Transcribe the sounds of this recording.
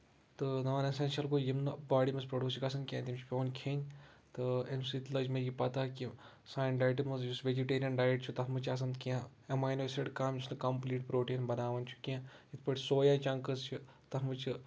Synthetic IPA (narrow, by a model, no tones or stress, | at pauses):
t̪ɨnɐʋaːnɐsɐnʃɐlkojimnɨbaːɽimɐspɾoɖʲuːsikɐsɐnkʲãːt̪ʲimt͡ʃʰu̥pʲoːnkʰeːnʲ | t̪ɨemsit̪lɐd͡ʒmeɡʲipɐt̪aki | saːjnɖaːjʈimɐzd͡ʒusʋed͡ʒiʈeːɾijɐnɖaːjiʈt͡ʃʰut̪ɐɦmɨt͡ʃʰɐs̬ɐnd̪kiã | emaːjnoesɾeʈkaːmʲd͡ʒusnɨkɐmpliːʈpɾoːʈiːnbɐnaːʋɐnʲt͡ʃʰu̥kãjit̪ʰpɐʈʰʲsoːjãːt͡ʃɐŋkɐst͡ʃʰut̪ɐmɨt͡ʃʰi